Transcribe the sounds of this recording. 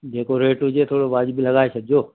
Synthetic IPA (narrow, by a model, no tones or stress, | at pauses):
d͡ʒeːkoɾeːʈod͡ʒeːt̪ʰoːɽoʋaːd͡ʒbʱiləɡaːesək̚d͡ʒoː